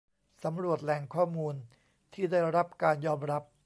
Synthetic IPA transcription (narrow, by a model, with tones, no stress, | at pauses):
sa˩˦mɾu˨˩ət̪̚lɛ˧ŋkʰɔː˥˩muː˧n | t̪ʰiː˥˩daː˥˩jɾa˦˥p̚kaː˧njɔː˧mɾa˦˥p̚